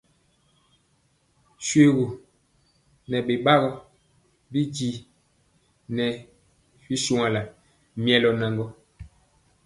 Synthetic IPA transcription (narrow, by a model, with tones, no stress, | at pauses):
swe˦ɣu˨ | nɛ˨ɓe˨ɓa˦ɣɔ˦ | bi˦d͡ʒi˨ | nɛ˨ | fi˦su˨ŋa˨la˨ | m˦ɛ˨lɔ˨na˨ŋɡɔ˦